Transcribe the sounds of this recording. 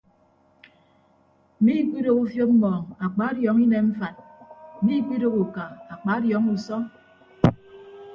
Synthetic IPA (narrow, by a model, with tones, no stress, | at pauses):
mi˦k͡pi˦ɾo˦ku˦fjo˦p̚m̩˦mɔː˨ŋa˨k͡pa˦djɔ˨˦ŋi˦ne˨m̩˦fa˨t̩̚˨mi˦k͡pi˦ɾo˦ku˨ka˨a˨k͡pa˨˦djɔ˨˦ŋu˨sɔ˦